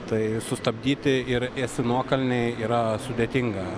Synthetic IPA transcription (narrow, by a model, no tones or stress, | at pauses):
t̪ɐɪsʊst̪ɐbʲd̪ʲiːt̪ʲɪɪɾɛsʲɪnuɔkɐlʲnʲɛɪiːɾɐsʊd̪ʲeːt̪ʲɪŋɡɐ